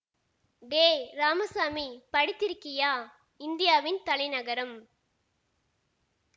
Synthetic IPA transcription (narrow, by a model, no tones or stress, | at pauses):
d̪eːɾaːmɐsaːmipɐɽɪt̪ːɪɾkːɪjaː | ɪnd̪ɪjaːʋɪnt̪ɐlɐɪnɐɣɐɾɐm